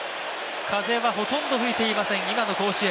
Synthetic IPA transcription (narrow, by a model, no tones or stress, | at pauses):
kʰaze̞βaɦo̞t̪õ̞nd̪o̞ɸɯ̟it̪e̞imasẽ̞ŋ̃imano̞ko̞ːɕie